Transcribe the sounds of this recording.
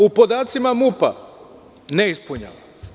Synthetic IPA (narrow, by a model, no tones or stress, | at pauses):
upod̪aːt̪simamupa̰ | neispuɲa̰ʋa